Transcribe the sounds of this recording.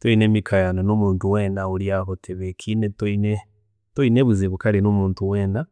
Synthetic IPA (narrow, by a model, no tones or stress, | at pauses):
tweinemikʰajanonumuːntuweːnauljahotʰeβekʰinetoine | toineβuzeβukalenumuːntuweːna